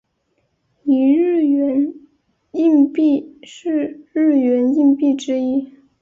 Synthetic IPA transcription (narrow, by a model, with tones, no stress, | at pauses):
i˧˥ɻɻ̩˥˩ɥɛ˧˥n | i˥˧ŋpi˥˩˧ʂɻ̩˥˧ɻɻ̩˥˩ɥɛ˧˥ni˥˧npi˥˩ʈ͡ʂɻ̩˥i˥